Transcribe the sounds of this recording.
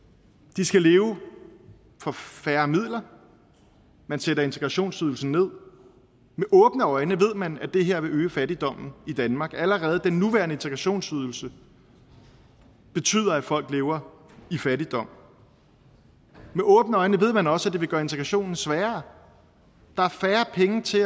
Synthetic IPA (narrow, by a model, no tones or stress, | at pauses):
d̥isɡ̥æle̝ːʊ | fɒ̽fæːɐmið̞̰ˠlɐ | mænseɾɐe̝nt͡sʰeɡ̥ʁɑ̈ɕo̝̰ːnsyðˠl̩sn̩ne̝ð̞̰ˠ | meʔɔ̽ːb̥nəɒ̽ɪnəʋe̝ð̰ˠmænæd̥e̝ɦe̝ɐ̰ʋe̝øːəfæd̥id̥ɒ̽m̰n̩id̥ænmɑ̈ːɡ̥æləʁɛːð̞̩ˠəd̥enːuʋæɐnəe̝nt͡sʰeɡʁɑɕo̝̰ːnsyð̞ˠl̩sə | b̥e̝t͡sʰy̰ːð̰ˠɐæ̥fɒ̽l̰ɡ̥le̝ːʊɐ | ifæɾid̥ɒ̽m̰ | meʔɔ̽ːb̥nəɒ̽ɪnəʋe̝ð̞̰ˠmænɒ̽səæd̥e̝ʋe̝ɡ̥ɶːɐe̝nt͡sʰeɡ̥ʁɑ̈ɕo̝̰ːnn̩sʋæːɐ | d̥ɑ̈æɐfæːɐpʰeŋət͡sʰe̝